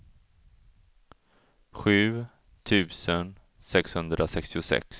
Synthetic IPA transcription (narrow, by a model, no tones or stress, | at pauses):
ɧʉ̟ː | t̪ʰʉ̟ːsən | sɛkshɵnd̪ɾasɛkst̪ɪʊsɛ̰ks